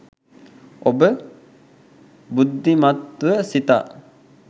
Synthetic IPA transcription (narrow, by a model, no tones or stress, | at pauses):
obə | bud̪ʱːimat̪ʋəsit̪a̰